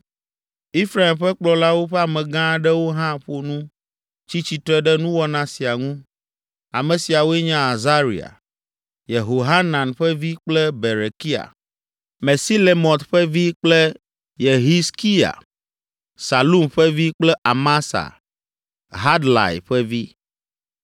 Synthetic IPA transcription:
i˦fɾa˨i˨mɸɛ˦k͡plɔ˨la˦wo˦ɸɛ˦a˨mɛ̃˨ɡã˦ɖɛ˦wo˦ɦã˦ɸo˦nũ˦ | t͡ɕi˦t͡ɕi˨t̪ɾɔ˦ɛ˦ɖɛ˦nũ˦wɔ˦nã˨si˨a˨ŋũ˦ | a˨mɛ̃˨si˨a˨wo˦ɛ˦ɲã˦a˨za˦ɾḭ˨a̰˨ | je˨ɦo˨ɦa˦nã˨nɸɛ˦vi˦k͡plɛ˦be˨ɾe˨ki˦a̰˨ | me˨si˦le˨mɔ̃˨t̪ɸɛ˦vi˦k͡plɛ˦ | je˨ɦi˦ski˦a̰˨ | sa˨lu˦mɸɛ˦vi˦k͡plɛ˦ʔa˨ma˦sa̰˨ | ɦa˦d̪la̰˨jɸɛ˦vi˦

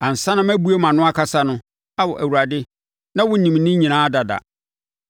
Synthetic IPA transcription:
ã˨n̩˨sã˦nã˦mæ˦bu˦e˦mã˨nʊ̃˦a˦kʰa˦sa˦nʊ̃˦ | a˦wɔ˨ʔæ˨wu˨ɾa˨dɪ˦ | nã˦wʊ˦nĩ˨m˨nɪ̃˦ɲĩ˨nãː˨˦da˨da̰˨

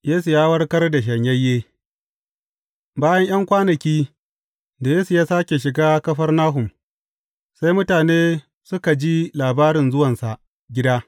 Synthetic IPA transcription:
jeː˦su˨jaː˦wɐ˦rkɐ˦rda˨ʃ̬ɐ˨ɲjɐ˦jːeː˦ | baː˦jɐ˦ɲj̰ɐ˦ŋkʷaː˦nɐ˨kʲiː˦ | da˨jeː˦su˨jaː˦saː˦kʲe˨ʃ̬ɪ˨ɡaː˦kɐ˦ɸɐ˦rnaː˦ɦʊ˨m | sa˦jmʊ˦taː˨neː˦ | sʊ˦ka˨d͡ʒi˦laː˨baː˦ɾɪ˨nzʊ˦wɐ˨nsa˨ʔ | ɡʲɪ˦daː˦

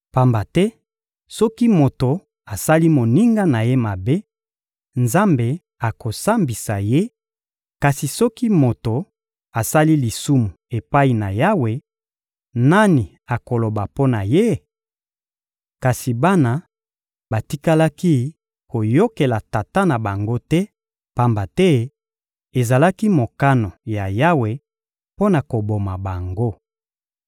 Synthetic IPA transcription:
pa˨mba˨tɛ˦ | sɔ˦ki˦mo˨to˨ | a˨sa˦li˦mo˨ni˦ŋɡa˦na˨je˦ma˨be˦ | nza˦mbe˨ | a˨ko˨sa˦mbi˨sa˨je˦ | ka˨si˨sɔ˦ki˦mo˨to˨ | a˨sa˦li˦li˨su˦mu˨e˨pa˦i˨na̰˨ja˦we˨ | na˦ni˨ | a˨ko˨lo˨ba˨po˦na˨je˦ | ka˨si˨ba˦na˦ | ba˨ti˦ka˦la˦ki˦ | ko˨jo˦ke˨la˨ta˨ta˦na˨ba˨ŋɡo˦tɛ˦ | pa˦mba˨tɛ˦ | e˨za˨la˦ki˦mo˨ka˦no˨ja˨ja˦we˨ | po˦na˨ko˨bo˨ma˨ba˨ŋɡo˦

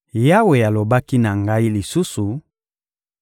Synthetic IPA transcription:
ja˦we˨ja˨lo˨ba˦ki˦na˨ŋɡa˦i˦li˨su˦su˨

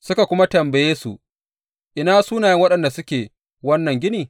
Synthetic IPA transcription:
sʊ˦ka˨kʷʊ˦ma˦tɐ˨mbɐ˨jeː˦su˨ | ʔɪ˨naː˦suː˦naː˨jɐ˦ŋwɐ˦ɗɐ˨nda˨sʊ˦kʲeː˨ | wɐ˦nːɐ˨ŋɡʲɪ˦niː˨

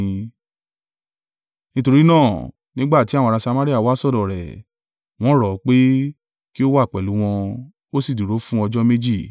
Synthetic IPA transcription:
nĩ˦to˧ɾi˦nãː˦˨ | nĩ˦ɡ͡ba˦˨ti˨˦a˦˨w̃ɔ̃˧a˧sa˧ma˦ɾi˦a˦˨wa˨˦sɔ˦˨dɔ˨ɾɛ̰˨ | w̃ɔ̃˦ɾɔ˨˦k͡pe˦ | ki˦o˦wa˦˨k͡pɛ˨lu˨˦w̃ɔ̃˧ | o˦si˦˨du˨ɾo˨˦fũ˦ɔ˧d͡ʒɔ˦me˦d͡ʒi˦˨

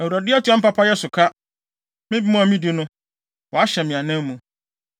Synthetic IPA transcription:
æ˨wu˨ɾa˨dɪ˦ɛ˦tʰɪ˦ã˦m̩˦pa˦pʰa˦jɛ˦sʊ˨kʰa˦ | mɪ̃˦bi˦mʊ̃˦a˨mĩ˦di˦nʊ̃˦ | wɔ˨a˦ɕɛ˨mɪ̃˨ã˨nã˦mũ˨

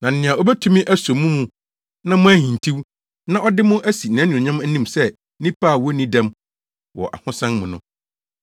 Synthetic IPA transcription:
nã˨n̩˨nɪ̃˨a˨o˦bæ˦tʰũ˦mĩ˦ʔæ˦sõ˨mːũ˦mũ˦ | nã˦mʊ̃˦æ˦hĩ˨n˨tʰi˦w | nã˦ʔɔ˦dɪ˦mʊ̃˦ʔæ˦si˨n˨ã˨˦nũ˨ɲã˦m˦nĩ˦msɛ˦ | nĩ˦pa˦˨wɔ˦nĩ˦dɛ̃˦m | wɔ̰˨ʔa̰˨hʊ̃˦sɛ̃˦nmʊ̃˨nʊ̃˦

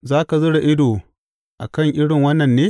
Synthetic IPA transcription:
zaː˦ka˨zʊ˦ɽa˨ʔɪ˦doː˨ | ʔa̰˨kɐ˦˨ŋʔɪ˦ɽɪ˨ŋwɐ˦nːɐ˨nːeː˦

